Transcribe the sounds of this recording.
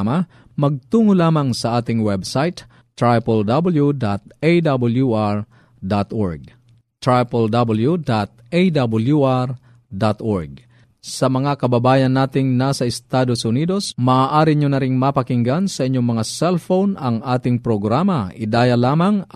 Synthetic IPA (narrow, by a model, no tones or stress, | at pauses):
mɐ | mɐɡ̚t̪uːŋolaːmɐŋsɐʔaːt̪ɪŋwɛbsajt̪ | t̪ɹajpɛld̪abɐljud̪at̪̚ejd̪abɐljuʔaɹ | d̪at̪ʔoɹɡ̚ | t̪ɹajpɛld̪abɐljud̪at̪̚jd̪abʊljuʔaɾ | d̪at̪ʔoɹɡ̚ | sɐmɐŋakɐbɐbaːjɐnːaːt̪ɪŋnasɐɪst̪aːd̪osʊniːd̪osmaaːʔaːɾɪɲonɐɾɪŋmɐpɐkɪŋɡansɐʔɪɲːoŋmɐŋasɛlfownɐŋaːt̪ɪŋpɾoɡɾaːmɐʔɪd̪aːjɐlaːmɐŋ